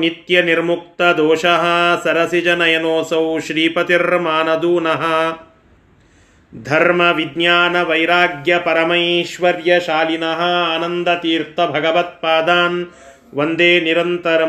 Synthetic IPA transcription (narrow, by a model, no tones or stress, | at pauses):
nit̪jɐniɾmuk̚t̪ɐd̪oːʃɐɦɐ̆sɐɾɐsid͡ʒɐnɐjɐnoːsɐwʃɾiːpɐt̪iɾmaːnɐd̪uːnɐɦɐ̆ | d̪ʱɐɾmɐʋid̪njaːnɐʋɐjɾaːɡjɐpɐɾɐmɐjʃʋɐɾjɐʃaːlinɐɦɐ̆aːnɐnd̪ɐt̪iːɾt̪ɐbʱɐɡɐʋɐt̪̚paːd̪aːn | ʋɐnd̪eːniɾɐnt̪ɐɾɐ